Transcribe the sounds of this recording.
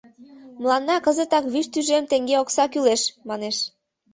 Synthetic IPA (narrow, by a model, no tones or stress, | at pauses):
məlˠɑnːɑkəzət̪ɑkβyʃt̪yʒemt̪eŋɡeoksɑkyleʃmɑneʃ